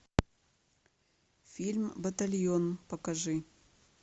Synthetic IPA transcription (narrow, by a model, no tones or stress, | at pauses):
fʲilʲmbɐt̪ɐlʲjonpɐkɐʐɨ